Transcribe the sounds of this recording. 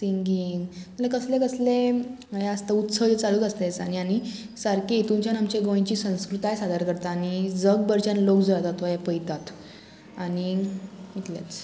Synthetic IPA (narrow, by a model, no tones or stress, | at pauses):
t̪iŋɡinməlakəslẽkəsle | ɦaəst̪aut̪səjt͡saluːt̪əst̪aet͡sañiani | saɾket̪ũɲt͡ɕjanamt͡ɕeɡõj̃t͡ɕiːsə̃w̃skɾut̪aɦjsad̪ʱəɾkəɾt̪aːnid͡zəɡ̚bəɾt͡ɕanlokd͡zoɭat̪at̪ʋajapəjt̪at̪ | aɽiit̪lja̰t͡s